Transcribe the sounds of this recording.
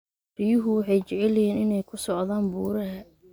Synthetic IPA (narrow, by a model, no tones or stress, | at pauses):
r̥ɪjʊɦʊwɑħɑjt͡ʃɛʕɛlɛjɛːnɪnɛjkʰʊsɔʕðaːnbuːɾɐɦɐ